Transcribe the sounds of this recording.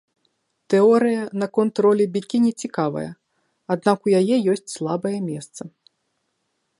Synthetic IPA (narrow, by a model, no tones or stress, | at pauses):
t̪ɛɔɾɨjɐnɐkɔnt̪ɾɔlʲɛbʲikʲinʲɛt͡sʲikavɐ̰jɐ̰ | ad̪̚nakujajɛjɔsʲt͡sʲslˠabɐjɛmʲɛst̪sɐ